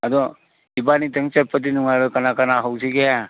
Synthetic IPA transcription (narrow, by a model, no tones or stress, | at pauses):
adɔ | ibanitaŋt͡ʃepʰːat̬inuŋajɾɔkanakanaɦawsiɡeja